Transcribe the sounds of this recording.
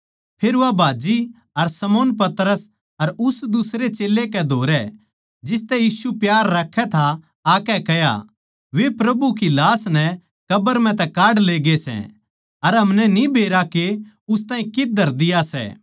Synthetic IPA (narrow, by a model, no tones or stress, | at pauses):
pʰeːɾuʋabʱaːd͡ʒi | ɐɾsɐmoːnp̬ɐt̪ɾəs | ɐɾʊsd̪ʊsɾet͡ʃeːlekɛd̪ʱoːɾɛ | d͡ʒɪs̬t̪ɛjiːsupjaːɾːɐkʰːɛt̪ʰaː | kɛkɛɦja̰ | ʋepɾɐbuk̬ilaːsnɛ | kɐbəɾmɛ̃t̪̬ɛkaːɽleːɡesɛ̰̃ | ɐɾɦɐmnɛnĩbʱeːɾake | ʊs̬t̪aːĩkɪd̪ʱɐɾd̪ɪjasɛ̰ː